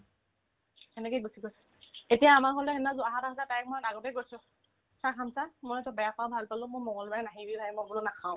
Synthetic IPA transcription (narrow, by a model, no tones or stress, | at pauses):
enɛkebosiɡojsɛ̥ | etijaːmaɹɦolɛɦɛnazʊaɦatazatajk̚mɔjdaɡɔtɛɡojsʊ̃ | sakʰamsamɔjtʊbɛjapabʱalpalʊ̃mʊjmɔŋɔlbaɛnaɦibibaɛmɔbulʊnakʰaʊ̃